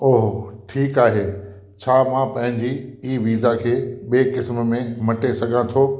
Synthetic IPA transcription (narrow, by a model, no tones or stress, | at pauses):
oːɦoʈʰiːkaːɦeː | t͡ɕʰaːmãːpɐ̃ɦɪ̃ɲd͡ʑiiːʋiːzakʰeːɓeːkɪsmə̆mẽmɐʈesɐɡʱãt̪ʰoː